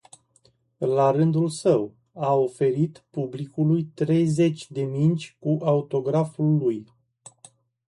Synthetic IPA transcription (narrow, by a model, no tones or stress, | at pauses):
laɾɨnd̪ulsəw | ao̞fe̞ɾit̪publikulujt̪ɾe̞jze̞t͡ʃʲd̪e̞mint͡ʃʲkuʔaut̪o̞ɡɾafulːuj